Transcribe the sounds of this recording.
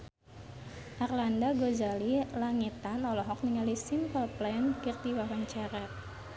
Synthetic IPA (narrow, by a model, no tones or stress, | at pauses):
ʔarlandaɡozalilaŋit̪anɔlɔɦɔk̚niŋalisimpəlplɛnkird̪iwawant͡ʃɛɾɛt̪̚